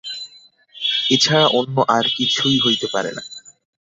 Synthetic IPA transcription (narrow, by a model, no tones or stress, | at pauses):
et͡ɕʰaɾaʔonːoʔaɾkit͡ɕʰujɦojt̪epaɾḛna̰